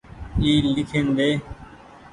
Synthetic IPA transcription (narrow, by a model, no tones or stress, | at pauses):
iːlɪkʰẽːnd̪eː